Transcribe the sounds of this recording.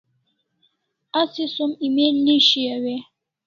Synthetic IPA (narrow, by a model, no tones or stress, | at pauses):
asisomimeliʃiawɛ